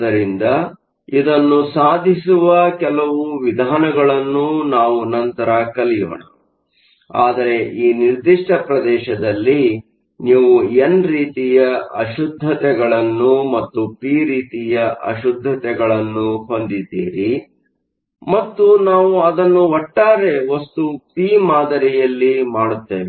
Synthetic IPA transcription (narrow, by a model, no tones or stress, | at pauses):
ɐɾind̪ɐ | id̪ɐnːusaːd̪ʱis̬uʋɐkɛlɐʋuʋid̪ʱaːnɐɡɐɭɐnːunaːʋunɐnt̪ɐɾɐkɐlijo̰ːɳɐ̰ | aːd̪ɐɾe̞ʔiːniɾd̪iʂʈʰɐpɾɐd̪ɛːʃɐd̪ɐlːi | niːʋuenɾiːt̪ijɐʔɐʃud̪ʱːɐt̪ɛɡɐɭɐnːumɐt̪ːupiːɾiːt̪ijɐʔɐ̰ʃud̪ʱːɐt̪ɛɡɐɭɐnːuɦo̞nd̪id̪ḭːɾi | mɐt̪ːunaːʋuɐd̪ɐnːuɔʈːaːɾe̞ɦost̪upiːmaːd̪ɐɾijɐlːimaːɽut̪ːeːʋi